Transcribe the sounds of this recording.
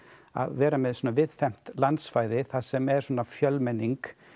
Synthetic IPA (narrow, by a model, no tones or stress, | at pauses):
a̰ðvɛːɾamɛðsɔːnavɪðfɛm̥t̪lant̪sfaːjðɪθasɛmɛɾ̥sɔnːafjœlːmɛnːiŋk